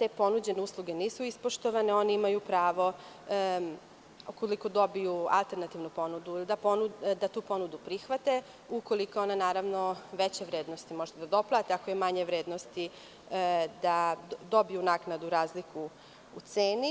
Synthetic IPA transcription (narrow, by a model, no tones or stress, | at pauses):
t̪e̞ːpo̞nud͡ʑe̞neuːslˠuɡe̞niːsuispoʃt̪oʋaneo̞neimajupɾaːʋo̞ | ukoliko̞d̪o̞bijua̰lˠt̪eɾnat̪iʋnupo̞nud̪uilid̪aponud̪at̪uːpo̞nud̪upɾixʋat̪e̞ | ukolikoo̞nanaːɾaʋno̞ʋet͡ɕeʋɾeːd̪nost̪imo̞ʒed̪ad̪o̞plˠaːt̪eakojemaɲeʋɾeːd̪nost̪i | d̪ad̪o̞bijunaːknad̪uɾaːzliku | ut̪seːni